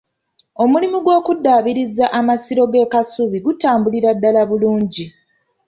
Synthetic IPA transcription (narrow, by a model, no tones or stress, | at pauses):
o̞mulimuɡwo̞ːkudːaːβiɾizaʔamasiɾo̞ɡe̞ːkasuβiɡutaːmbuliɾadːalaβuluːɲɟi